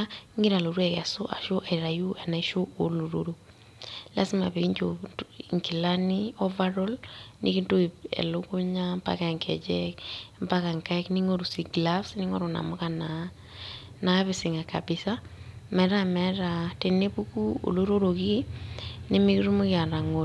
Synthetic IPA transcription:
ŋi˦ɾa˨lo˨ɾwɛ˨ka˨so˦ʔa̰˨ʃo˦ʔa˨i˨ɾa˨ju˦a˨na˨˦ʃo˦ʔo˨lo˨ɾo̰˦ɾo˨ | la˦sɪ˦ma̰˨pe˨i˦ɲd͡ʒoŋki˨lani˦ɔ˦va˦ɾɔ˦lnʔḭ˦ki˦nto˦iɛ̰˨lo˦ko˦ɲa˦mpa̰˦ka˨ŋkʰɛ̰˨d͡ʒɛkmpa˦ka˨ŋka˦kni˦ŋo˦ɾu˨si˨ɡla˦fsnɪ˦ŋɔ˦ɾo˨na̰˨mo˦ka˨na˨ | na˨a˦βe˦sɪ˨ŋa˨ka̰˨bɪ˨sa˦mɛ˨ɾa˦mɛ˨ɾa˨te˨ne˦pu˦ku˦o̰˨lo˦ɾo˦ɾo˨ki˦nɪ˦mi˦kɾu˦mo˦kɪ˦a˨na˨ŋo˨

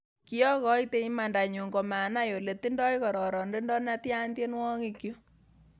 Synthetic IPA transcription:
ki˦jɔ˦kɔ˦i˦te˦i˦ma˨nda˨ɲo˨ŋɡo˨ma˨na˦jo˨le˨ti˦ndɔ˦jkɔ˨ɾɔ˨ɾɔ˨nde˦ndɔ˦na˦tja˦ndje˦nwɔ˦ŋi˨kjo˦

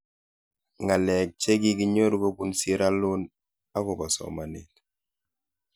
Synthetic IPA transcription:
ŋa˨lɛ˨k̚t͡ʃe˦ɡi˦ki˦ɲo˦ɾko˦bu˦nsi˦ɾa˦lu˦n | a˦kɔ˨ba˨sɔ̰˨ma˨nḭ˨t

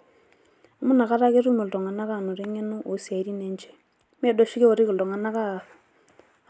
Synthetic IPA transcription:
mu˦na˨ka˦ɾa˦ke˦ɾu˦me˨ldɔ˨ŋa˨na˦ka˦˨no˨ɾɛ˦ŋe˦nu˦ʔo˨si˨a˨i˨ɾi˦nɛ˦nt͡ʃɛ̥˦ | m˦ɛ˦do˦ʃi˦ke˦o˨ɾi˦ku˨ldɔ˨ŋa˨na˦ka˦˨f

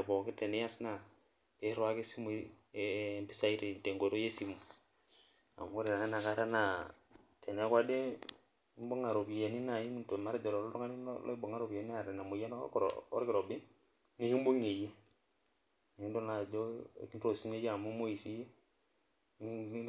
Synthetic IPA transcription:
e˨bo˨ki˦te˨ne˦ja˦sna˨ | e˦ɾwa˦ke˦si˦m˨˦˨ | mbi˦sa˦i˦ɾi˨n˨te˨ŋɡo˨do˦je˦si˨mu˨ | a̰˨m˦ɾe˨na˨ne˦na˨ka˦ɾa˦na˨ | tʰe˨ne˨˦kwa˦de˦ | i˦mbo˦ŋa˨ɾo˨bi˨je˨ni˦na˨ji˦mi˦nto˨ma˦ɾd͡ʒo˨ɾo˨lɾŋa˦nḭ˦l̰i˦bo˨ŋa˦ɾo˨bi˨e˨ni˦a˦˨ɾe˨na˨mu˨je˦n˦kɾ̰o̰˦ɾki˨ɾo˨bi˦ | ni˦ki˦m˦bo˦ŋe˨je˦˨ | i˦ndo˦na˨d͡ʒo˦˨ki˦nɾo˨si˦ne˦ja˨mu˦mo˦ji˨si˦je˦

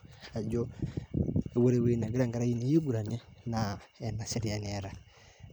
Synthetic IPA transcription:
a˨d͡ʒo˦ | e˨wo˦ɾe˨we˦i˦na˨ɡe˦ɾa˦˨ŋɡaɾa˦i˦ne˦je˦ɡu˨ɾa˨ne˦na˨ɛ˨na˨se˦ɾi˨a˨n˨ɛ˨ɾa˨

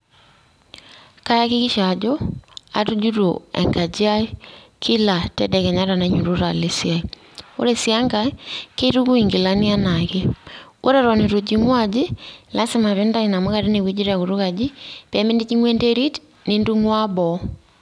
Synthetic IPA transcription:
ka˦ja˦ki˦ki˦ʃa˨d͡ʒɔ˦a̰˨tu˦d͡ʒu˦to̰˨ɛ̰˨ŋɡa˨d͡ʒi˦a˦i˦kʰi˦la˨tɛ˦dɛ˨kɛ˨ɲa˦ɾa˨na˨ɲu˨ɾo˦ɾa˨le˦si˦a˨i | o̰˦ɾe˨si˦a˦ŋɡa˦ke˦tu˦ku˦i˨ŋɡi˨la˦ni˦a˦na˨ke˦ʔo˦ɾɛ˦˨ɾɔ˨ne˨ɾo˨d͡ʒi˦ŋwa˦d͡ʒi˦la˦se˦ma˨βe˦nda˦i˨na˨mo˦ka˨ɾe˦ne˨wi˦d͡ʒi˦ɾa˨ko˨ɾu˦ka˨d͡ʒi˦pɛ˨˦me˦ndi˦t͡ʃi˦ŋwɛ˦nde˦ɾi˦t | ne˦ndu˦ŋwa˦bɔ˨˦

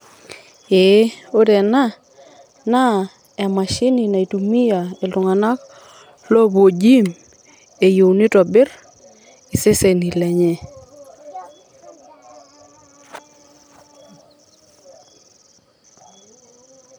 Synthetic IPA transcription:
e˨˦o˦dɛ˨na˦ | na˦ | ɛ˨ma˨ʃɪ˦ni˨na˨i˨tu˨mi˦ja˨e˨lʊ˨ŋa˨na˦k | lɔ˦bo˨d͡ʒi˦m | e˨jo˨wnɪ˦tɔ˨bɪ˦ɾ | ɪ˨sɪ˦se˨ni˨lɛ˨ɲɛ˦

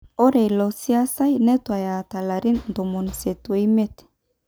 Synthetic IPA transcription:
o˦ɾe˨jlo˨si˦a˦sa˦jne˦t̪wa˨ja˨t̪a˨la˨ɾi˦nnd̪o˨mo˨nse˨t̪we˦me˦t̪e̥˨

